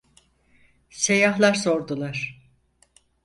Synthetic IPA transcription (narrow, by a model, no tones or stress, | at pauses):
se̞jaɦlˠaɾso̞ɾd̪ulˠaɾ̥